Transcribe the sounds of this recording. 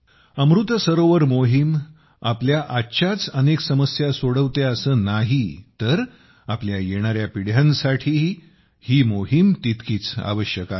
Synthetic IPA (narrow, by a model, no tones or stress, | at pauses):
əmɾut̪səɾoʋəɾmoɦim | apljaʔatːɕʰat͡səneksəməsjasoɽəʋt̪eəsəːnaɦit̪əɾ | apljajeɽ̃aɾjapiɽ̤jãnsaʈʰiː | hiːmoɦimt̪it̪kiːt͡sa̰ʋəɕjəkat̪